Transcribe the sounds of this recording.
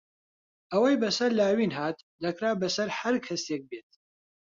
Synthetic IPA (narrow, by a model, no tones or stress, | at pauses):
ɐwɐjbɐsɐɾlaːwinɦaːt̪̚ | d̪ɐkʰɾaːbɐsɐɾhɐɾkʰɐsek̚beːt̪̚